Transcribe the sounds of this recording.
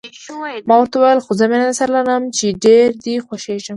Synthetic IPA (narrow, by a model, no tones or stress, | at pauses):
mɑwəɾt̪awajəlxʊzamennasaɾlaɾəmt͡ʃeɖeɾd̪ixwoʃeʒəm